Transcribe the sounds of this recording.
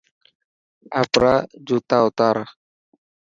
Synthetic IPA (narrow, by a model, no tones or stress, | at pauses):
ʔapɾad͡ʒut̪aut̪aɾa